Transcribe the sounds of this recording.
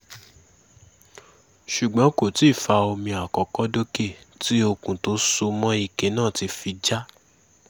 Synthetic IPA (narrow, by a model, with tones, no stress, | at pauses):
ʃu˨ɡ͡bɔ̃˨˦ko˨ti˦˨fa˧o˧mĩ˧a˨kɔ˨kɔ˦do˦ke˦˨ | ti˦o˧kũ˨to˨˦so˧mɔ̃˦i˦˨ke˨˦nãː˦˨ti˧fi˧d͡ʒa˦